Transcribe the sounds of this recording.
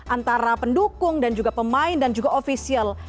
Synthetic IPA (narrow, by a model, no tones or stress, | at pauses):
ʔant̪aɾapəndukʊŋdand͡ʒuɡapəmaɪndand͡ʒuɡaʔofisial